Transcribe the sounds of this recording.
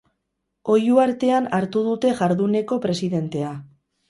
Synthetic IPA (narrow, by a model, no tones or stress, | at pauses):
o̞juaɾt̪e̞anaɾt̪uð̞ut̪e̞ʝaɾðune̞ko̞pɾe̞siðe̞nt̪e̞a